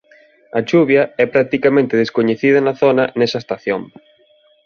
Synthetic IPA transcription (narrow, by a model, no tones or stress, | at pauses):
ɐt͡ʃuβjɐɛpɾak̚t̪ikamẽnt̪ɪðeskoɲeθiðɐnɐθonɐnɛsɐest̪aθjoŋ